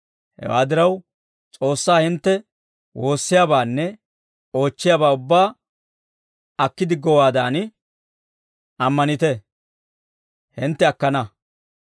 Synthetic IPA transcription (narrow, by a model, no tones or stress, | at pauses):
hɛ̰wa̰ːd̪ɪɾɐw | t͡sʼo̞ːsːaːhɪnt̪ːɛ | wʔo̞ːsːɪjaːbaːnːɛ | o̞ːt͡ʃːɪjaːbaːʊbːaː | ɐkːɪd̪ɪɡɔwaːd̪aːn | ɐmːɐnɪt̪ɛ | hɪnt̪ːɛɐkːɐnɐ